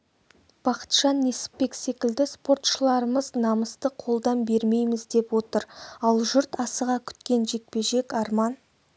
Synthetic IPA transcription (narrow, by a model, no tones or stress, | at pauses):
b̥ɑqə̥t̪ʃɑnːe̞sɪ̥ppːe̞kse̞kʲɪld̪ɪspo̞rt̪ʃəlˠɑɾəməznɑməst̪əqʰo̞lˠd̪ɑnbe̞ɾme̞jmɪzd̪e̞pwo̞t̪əɾɑlˠʒʏɾt̪ɑsəʁɑkʲʰʏ̥t̪kʲe̞nʒe̞k̚pe̞ʒe̞kɑɾmɑn